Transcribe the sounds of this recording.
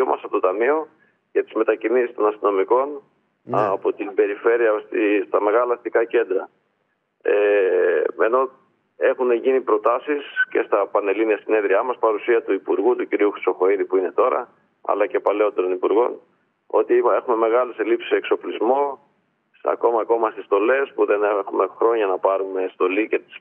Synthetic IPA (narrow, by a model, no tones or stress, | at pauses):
omʔɐ̰sɐpot̪t̪ɐmio̞ | ʝɐt̪i̥zme̞t̪ɐcinisist̪o̞nɐst̪ino̞miko̞n | ɐpo̞t̪ibe̞ɾife̞ɾiɐst̪ist̪ɐme̞ɣɐlɐθt̪ikɐce̞nd̪ɾɐ | e | e̞no̞ | e̞xuneʝinipɾo̞t̪ɐsisce̞st̪ɐpɐne̞liniɐsine̞ðɾiɐmɐspɐɾusiɐt̪uipuɾɣut̪uciɾiuxɾi̥so̞xo̞iðipuine̞t̪o̞ɾɐ̰ | ɐ̰lɐce̞pɐleo̞t̪e̞ɾo̞nipuɾɣo̞n | o̞t̪ie̞xume̞me̞ɣɐlese̞lipsi̥sekso̞plizmo̞ | ɐ̰ko̞mɐːko̞mɐsist̪o̞le̞spuðe̞nexume̞xɾo̞ɲɐnɐpɐɾume̞st̪o̞lice̞t̪i̥s